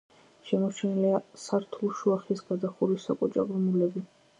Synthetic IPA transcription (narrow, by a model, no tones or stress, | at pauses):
ʃɛmɔt͡ʃʰɛniliasaɾt̪ʰulˠʃuaχisɡad̪aχuɾisːakʼɔt͡ʃʼaɡɾumulɛbi